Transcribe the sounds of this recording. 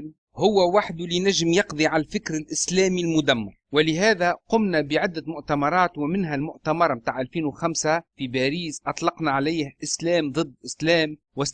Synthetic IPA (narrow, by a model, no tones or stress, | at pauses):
hʊwːawaħd̪ʊlɪnaʒmjɑqd̪ˤiʕalafɪkɾɪlʔɪslæːmilmʊd̪amːɑ̰ɾˤwɪlɪɦæːðaqʊmnabɪʕɪd̪ːamʊʔt̪amɑɾˤɑːt̪wɪmɪnɦalmʊʔt̪amɑɾˤmt̪aːʕʔalfiːnwɪxamsafibaːɾiːsʔɑt̪ˤlɑqnaʕalaːhʔɪslæːmd̪ˤɨd̪ːʔɪslæːm | wɪs